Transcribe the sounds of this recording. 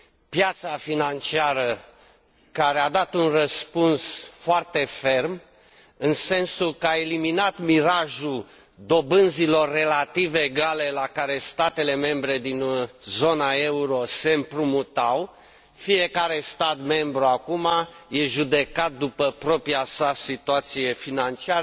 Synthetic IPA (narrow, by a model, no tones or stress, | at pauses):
pjat̪safinant͡ʃiaɾə | kaɾead̪at̪unrəspunsfoart̪e̞fe̞rm | ɨnse̞nsukəae̞liminat̪miɾaʒul | d̪o̞bɨnzilo̞rːe̞lat̪iveɡale̞lakaɾe̞st̪at̪e̞le̞me̞mbɾe̞d̪inzo̞nae̞uɾo̞se̞mpɾumut̪aw | fije̞kaɾe̞st̪at̪me̞mbɾuakumaje̞ʒud̪e̞kat̪̚d̪upəpɾo̞pɾiasasit̪uat̪sije̞finant͡ʃiaɾə